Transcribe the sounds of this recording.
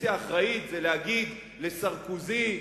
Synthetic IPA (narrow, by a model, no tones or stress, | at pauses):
iaːχʁait̪zelehaɡid̪ | le̞saʁkuzi